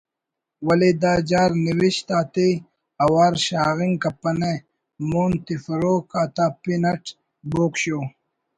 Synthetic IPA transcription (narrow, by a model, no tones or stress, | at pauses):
wɐlid̪aːd͡ʑaːɾniwiɕt̪aːt̪e | ɐwaːɾɕaːɣiŋkɐpɐne | muːnt̪ifɐɾoːkaːt̪apinɐʈ | boːkɕoː